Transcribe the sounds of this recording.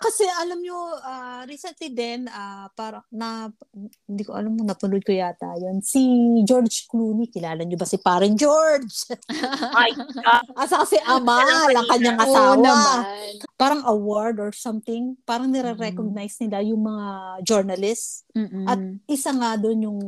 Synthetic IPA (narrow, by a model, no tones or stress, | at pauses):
kɐsɛʔɐlamɲoʔaɾiːsɛnt̪lid̪ɛnapaːɾɐnɐ | hɪnd̪ikoʔɐ̰lamːonɐpʊlod̪̚kojat̪aːjonsid͡ʒoɹd͡ʒkluːnikɪlaːlɐɲobɐsipaːɾɪd͡ʒoɹd͡ʒ | ajʔasɐkɐsɛʔɐmalɐŋkɐɲːaŋʔɐt̪awonɐbapaːɾɐŋʔɐwoɹd̪oɹsɐmt̪ɪŋpaːɾɐŋnɛɾɛɾɛkoɡ̚najsnɪlajʊŋmɐŋad͡ʒoɹnɐlɪsʔɐt̪̚ʔɪsaŋad̪onjʊŋ